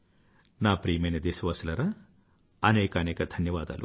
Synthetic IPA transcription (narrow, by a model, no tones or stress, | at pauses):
naːpɾiːmɐjnɐd̪eːsɐʋɐːsɐlɐɾɐ | ɐnɛːkɐnɛːkɐd̪ʱɐnjɐʋaːd̪a̰ːlṵ